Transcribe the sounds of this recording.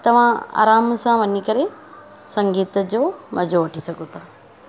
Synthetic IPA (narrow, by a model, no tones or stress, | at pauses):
t̪ɐʋ̤ãa̰ːɾaːmsãʋənːikəɾe | sə̃ŋɡiːt̪d͡ʒoməd͡ʒoʋəʈʰisɐkot̪a